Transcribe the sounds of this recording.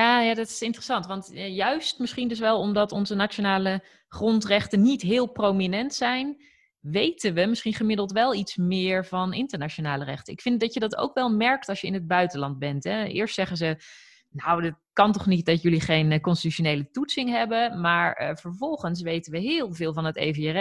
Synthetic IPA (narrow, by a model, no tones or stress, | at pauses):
jaːjaːdɑtɪ̥sɪntərəsɑntʋɑntjœɥstmɪsχindɵs̬ʋɛlˠɔmdɑtɔnzənaːt͡ʃonaːlə | χrɔntrɛχtənːitɦɪːlˠprowminɛntsɛjn | ʋejtənʋəmɪsχinχəmɪdəlˠtʋɛlˠitsmɪːɹvɑnɪntəɹnat͡ʃonaːlərɛ̰χtəɪkfɪn̚dɑtjədɑto̰wkʋɛlˠmɛɹk̚tɑlˠʃjəɪ̰nɦəd̚bœɥtənlɑnd̚bɛntɦɛɪ̰ːɹstsɛχənzə | nawdɪt̚kɑntɔχnit̚dɑtjɵliχejnkɔnsti̥tyʃonejlətutsɪŋɦɛbəmaːɹvəɹvɔlˠχəns̬ʋejtənʋəɦɪːlˠvɪːlˠvɑnətḛjvəərɛ